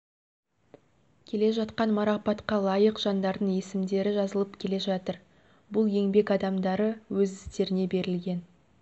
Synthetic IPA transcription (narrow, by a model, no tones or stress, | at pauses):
kʲʰe̞le̞ʒɑt̪qɑnmɑɾɑpɑt̪qɑlˠɑjəqʒ̥ɑnd̪ɑɾd̪əɴje̞sɪmd̪e̞ɾɪʒɑzəlˠəpkʲʰe̞le̞ʒɑt̪əɾ | bʊlˠje̞ŋbe̞kɑd̪ɑmd̪ɑɾəwɵzɪst̪e̞ɾɪne̞be̞ɾɪlɡʲe̞n